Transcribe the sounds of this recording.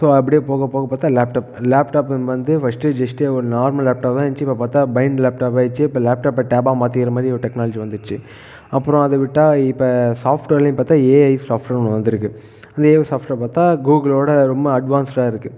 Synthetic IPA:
soːɐp̬ːɐɽɪjeːpoːɣɐpoːɣɐpaːɾt̪ːaːlaːpʈaːp̚laːpʈaːpʋɐnd̪ɯfɐsʈɯd͡ʒɐsʈeɔɾɯnaːɾmɐlaːp̚ʈaːpt̪ãːɐnt͡ʃːɯɪpːɐpaːɾt̪aːbɐɪnɖlaːpʈaːp̬aːt͡ʃːɯɪpːɐlaːp̚ʈaːpːɐʈeːbaːmaːt̪ːɪɪɾɐmaːd̪ɾiɔɾɯʈɛknaːlɐd͡ʒiʋɐnd̪ɯt͡ʃːɯ | ɐpːɯɾõɐðɐʋɪʈːaːɪpːɐsaːfʈolɪ̃paːt̪ːaːeːɐɪʋsaːfʈɐɾɔnːʋɐnd̪ɪɾɯkːɯ | ɐnd̪ɐeːsaːfʈɐpaːt̪aːɡuːɡɐloːɽɐɾɔmbɐɐɖʋaːnsʈaːɪɾɯkːɯ

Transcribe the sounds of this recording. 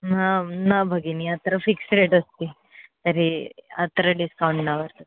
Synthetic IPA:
nanabʱəɡiniat̪ɾəfiksɾeʈəst̪i | t̪əɾia̰t̪ɾəɖiskawɳʈnaʋəɾt̪ə

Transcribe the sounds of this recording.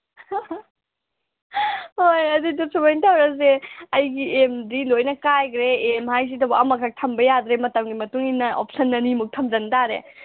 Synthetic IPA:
hojɐdidusubajntʰawɾɐs̬eɐjɡiemdilojnɐkajkʰɾeːmhajs̬idɐbɐɐmɐkʰak̚tʰɐmbɐjad̪ɾemɐtɐmɡimɐtuŋinːɐʔop̚ʰsɐnːɐnimuk̚tʰɐmzɐntaɾḛ

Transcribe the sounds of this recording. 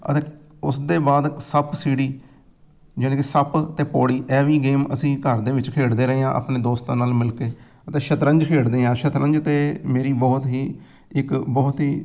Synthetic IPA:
ə̰t̪eː | ʊsd̪eːbaːd̪səpsiːɽiː | d͡ʒɪnẽːkɪsəpt̪eːpɔːɽiːʔɛːʋiːɡeːməsĩːkəɾd̪eːʋɪt͡ʃkʰeːɽd̪eːɾəeːãːʔa̰ːpɳeːd̪oːst̪ãːnaːlmɪlkeː | ət̪ẽːʃət̪ɾə̃ɲd͡ʒkʰeːɽd̪eːãːʃət̪ɾə̃ɲd͡ʒt̪eːmeːɾiːbɔːt̪ɦiː | ɪkbɔːt̪ɦiː

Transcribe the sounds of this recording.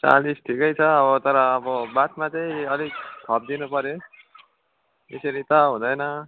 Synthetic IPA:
t͡sa̰lisʈʰikʌjt͡sʰʌːβʌt̪ʌɾʌːbʌbat̪mat͡sʌĩʌliɡk̪ʰʌb̚d̪inupʌɾjo | t̪eseɾit̪ʌɦũd̪ʌjnʌ

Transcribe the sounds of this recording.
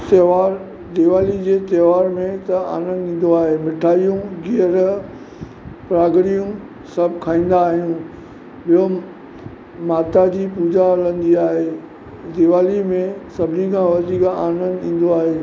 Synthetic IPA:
t̪eːʋaːɾ | d̪ɪʋaːlid͡ʑeːt̪eːʋaːɾmẽt̪ɐa̰ːnə̃nd̪ĩːn̆d̪oaːɦemɪʈʰaːijũɡiəɾ | pɾaːɡɽijũ | sɐbʱkʰaːĩːn̆d̪aːɦijũ | ɓijo | maːt̪ad͡ʑiːpuːd͡ʑalɐ̃nd̪iaːɦeː | d̪ɪʋaːlimẽsɐbʱɪnikʰãːʋɐd̪ika̰ːnə̃nd̪ĩːn̆d̪oaːɦeː

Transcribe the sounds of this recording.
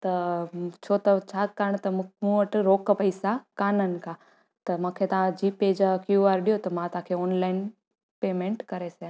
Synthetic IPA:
t̪ɐt͡ʃʰoːt̪ɐt͡ʃʰakəɾəɳ̃t̪ɐmũəʈɾoːkpɐɪsakaːnənɪ̆ka | t̪ɐmãːkʰet̪ɐʋãd͡ʒiːpeːd͡ʒakjuaːɾɖijot̪ɐmãt̪ãːkʰeɔːnlaːɪn | peːmẽɳʈkɐɾese

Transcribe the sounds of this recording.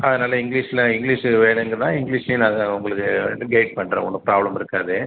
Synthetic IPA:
ɐðɯnaːlɐɪŋɡliːʂɪlɐɪŋɡliːʂʋeːɳŋɡɾɐðãːɪŋɡɭiːʂeːnaːɣɐʊŋɡɐɭɯkːɯɡɐɪʈ̚pɐɳːɾɐ̰̃ːɔnːɐpɾaːblɐmɪɾɯkːaːðɯ

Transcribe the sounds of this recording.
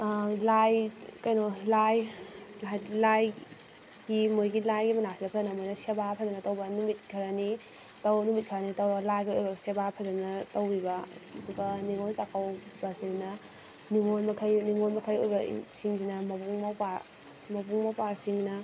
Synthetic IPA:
lajkɐjnolajlajlaj | ɡimojɡilajɡimɐnasinɐpʰɐzɐnɐmojnɐsebapʰɐzɐnɐtɐwbɐnumit̚kʰɐɾani | tɐwbɐnumit̚kʰɐɾanitɐwbɐlajɡiojbɐsebapʰɐzɐnɐtɐwɾibɐduɡɐniŋonsakʰawbasinnɐ | niŋonmɐkʰɐjniŋonmɐkʰɐjojbɐ̰siŋsinɐmɐbuŋmawpaɾ | mɐbuŋmawpaɾsiŋnɐ

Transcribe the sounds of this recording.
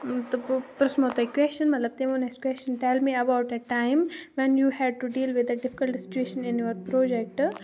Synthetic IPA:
t̪opɾɐsmot̪oikwɛst͡ʃə̃nmɐt̪lɐb̚t̪emonɛskwɛst͡ʃə̃nʈɛlmiɐbaʊʈɛʈãɪ̃mʋɛ̃njuːhɛɖ̚ʈuɖiːlʋɪd̪ɐɖɪfɪ̥kəlʈsɪ̥t͡ʃueːʃə̃nɪ̃njoʋɐɾpɾoːd͡ʒɛk̚ʈ

